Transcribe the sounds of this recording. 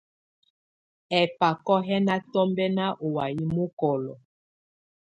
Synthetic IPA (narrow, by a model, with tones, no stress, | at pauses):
ɛ˨pa˨kɔ˦ɦɛ˦na˦tɔ˦mbɛ˦na˦ʔo˨wa˨ji˦mo˦kɔ˨lɔ̰˨